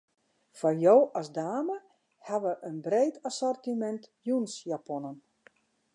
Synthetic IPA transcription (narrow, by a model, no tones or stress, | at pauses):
fɔjowɔsdaːmə | haʋəʔənbreːtʰasɔrtimɛntjunsjapɔnən